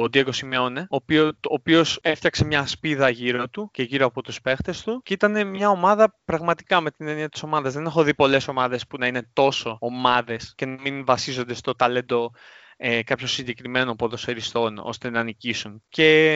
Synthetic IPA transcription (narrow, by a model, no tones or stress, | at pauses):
od̪iɐko̞simeo̞neoːpioopio̞se̞ft̪çɐkse̞mɲɐspiðɐʝiɾo̞t̪uce̞ʝiɾoɐpo̞t̪uspe̞xt̪e̞st̪uceit̪ɐne̞mɲɐo̞mɐðɐpɾɐɣmɐt̪i̥kɐme̞t̪ineniɐt̪iso̞mɐðɐzðe̞ne̞xo̞ðipo̞le̞so̞mɐðe̞spunɐine̞t̪o̞so̞ːmɐðe̞sce̞nɐminvɐsizo̞nd̪e̞st̪o̞t̪ɐle̞nd̪o̞ | ekɐpço̞siɲɟekɾime̞nopoðoseɾist̪o̞no̞̰st̪e̞nɐːnicisunce̞